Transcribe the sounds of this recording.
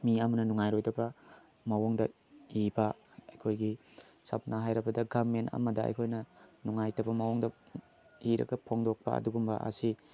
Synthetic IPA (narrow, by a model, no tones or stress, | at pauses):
miɐmɐnɐnuŋajɾojtɐbɐ | mɐwoŋdɐ | ibɐ | ɐjkʰojɡi | sɐ̰p̚naɦajɾɐbɐdɐɡamentɐ̰mɐdɐɐ̰jkʰojnɐnuŋajtɐbɐmɐwoŋdɐ | iɾɐ̰ɡɐpʰoŋdok̚pɐ̰ɐ̰duɡumbɐʔɐ̰si